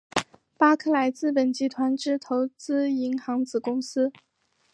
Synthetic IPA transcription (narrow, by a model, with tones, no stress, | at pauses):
pa˥kʰɤ˥˩la˧˥ɪt͡sɹ̩˥˩pə˨˩nt͡ɕi˧˥t̪ʰwa˧˥nʈ͡ʂɻ̩˥˩t̪ʰo˧˥ʊt͡sɹ̩˥i˧˥ŋxɑ˧˥ŋt͡sɹ̩˨˩kʊ˥ŋsɹ̩˥